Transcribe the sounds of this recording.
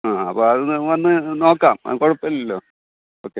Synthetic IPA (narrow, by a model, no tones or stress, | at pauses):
aːɐpːoːɐðɨnʋɐnːɨno̞ːkːaːm̰koɻupːɐllːoː | oːkːe